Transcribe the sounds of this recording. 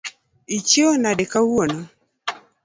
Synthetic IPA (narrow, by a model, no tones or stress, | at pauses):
it͡ʃonadɛkawuono